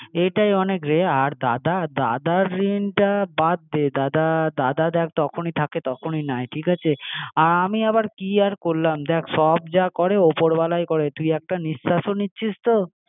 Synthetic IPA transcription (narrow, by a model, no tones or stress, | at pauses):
ejʈajɔnekɾeaɾd̪ad̪ad̪a̰d̪aɾːinʈabad̪ːed̪ad̪ad̪ad̪ad̪ɛkʰt̪ɔkʰonit̪ʰaket̪ɔkʰoninajʈʰikat͡ɕʰeaɾamiabaɾkiaɾkoɾlamd̪ɛkʰʃɔbd͡ʑakɔɾeopoɾbalajkɔɾet̪ujɛk̚ʈaniʃːaʃonitːɕʰist̪o